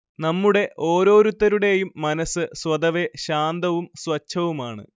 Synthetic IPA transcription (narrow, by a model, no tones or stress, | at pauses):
nɐmːuɽe̞ʔʔo̞ːɾo̞ːɾut̪ːɐɾuɽe̞jumːɐnɐsɨswɐd̪ɐʋe̞ɕaːnd̪ɐʋumswɐt͡ɕʰːɐʋumaːɳɨ̰